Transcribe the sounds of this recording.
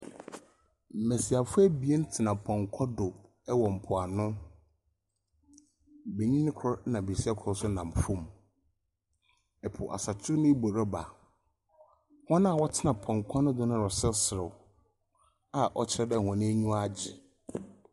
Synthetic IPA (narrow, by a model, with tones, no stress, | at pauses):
m̩˨me˨si˨a˨fʊ˦ɛ˦bi˨e˦n̩˦tʰɪ˨nã˨pʰɔ̃˨ŋkʰɔ˦dʊ˨ | ɛ˦wɔ˨m̩˨pʰʊ˨a˨nʊ̃˦ | be˨ɲĩ˦nɪ̃˦kʰɔ˦ɾnã˨bi˨si˦a˦kʰɔ˦ɾsʊ˦nã˨m˨fʊ̃˦m | ɛ˨pʰʊ̰˨ʔa̰˨sa˨tʰʊ˦nʊ̃˦bo˨ɾa˦ba̰˨ | hɔ̃˦nã˦˨wɔ˦tʰɪ˦nã˨pʰɔ̃˨ŋ˨kʷʰɔ˦nʊ̃˦dʊ˨nʊ̃˦ɾɔ˨sɪ˦sɪ˨ɾʊ˨ | a˦ʔɔ̰˦t͡ɕʰɪ˦ɾɛ˦dɛ˦˨hɔ̃˨nɪ̃˦ɲũ˦a˦˨d͡ʑɪ̰˨